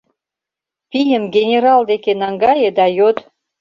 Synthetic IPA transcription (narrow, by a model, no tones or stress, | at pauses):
pijə̆mɡʲenʲeɾɑld̪ekenɑŋɡɑjĕd̪ɑjot̪